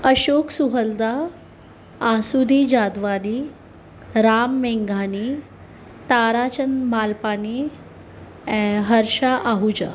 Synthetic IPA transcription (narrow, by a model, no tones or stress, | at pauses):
əɕoksuɦəld̪aː | sud̪ʱid͡ʑad̪ʋani | ɾamːeŋɡʱani | t̪aɾat͡ɕənmalpani | ɦəɾɕaʔaɦud͡ʑa̰